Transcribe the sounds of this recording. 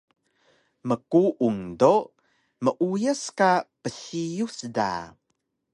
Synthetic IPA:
məkuʔuŋdo | məʔujəskapəɬijusda̰

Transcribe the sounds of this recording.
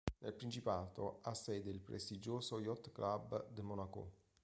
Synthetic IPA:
nelpɾint͡ʃipaːt̪oasːɛjd̪eilpɾʔḛst̪id͡ʒoːsojɔt̪ːklabd̪əmɔnako̰

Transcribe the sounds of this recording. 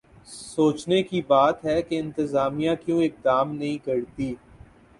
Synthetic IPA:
soːt͡ʃnekibaːt̪ɦɛkeɪ̃nt̪ɪzaːmijãkjõːɪk̚d̪aːmnɐɦĩkɐɾt̪iː

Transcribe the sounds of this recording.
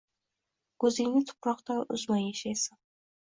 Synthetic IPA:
kɵzɪŋnɪt̪ʰʊ̥pɾɒqt̪aʔʊ̰zmanjaʃajsɪn

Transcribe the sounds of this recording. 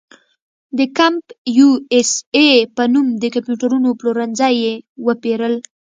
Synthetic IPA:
d̪əkampjuesepənumd̪əkampjuʈaɾunoploɾanzajewəpeɾəl

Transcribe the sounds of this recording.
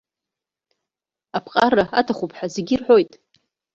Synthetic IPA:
apʰqʼaraatʰaχʷupʰʼħazeɡʲirħʷo̞jtʼ

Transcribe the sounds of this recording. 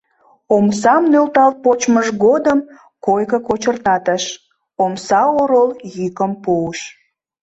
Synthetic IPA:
omsɑmnølt̪ɑlpot͡ɕməʒɡod̪əm | kojkəkot͡ɕərt̪ɑt̪əʃ | omsɑoɾoljykəmpoəʃ

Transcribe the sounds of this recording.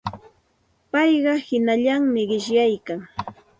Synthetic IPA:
pɑjɢɑhɪnaʎaŋmɪɢɪʃjajkaŋ

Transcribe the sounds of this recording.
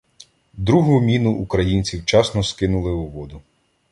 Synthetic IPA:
d̪ɾuɦʊmʲinʊʔːkɾɐjinʲt͡sʲiwt͡ʃɑsnɔskɪnʊlˠɪʊʋɔd̪ʊ

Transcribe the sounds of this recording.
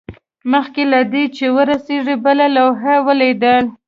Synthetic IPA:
məxkelad̪et͡ʃewəɾaseʐibəlalawɦawəled̪əl

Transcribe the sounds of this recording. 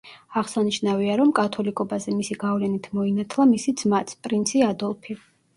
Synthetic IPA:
aʁsaniʃnaviaɾɔmkʼat̪ʰɔlikʼɔbazɛmisiɡavlɛnit̪ʰmɔinat̪ʰlˠamisid̪zmat̪sʰpʼɾint̪sʰiad̪ɔlˠpʰi

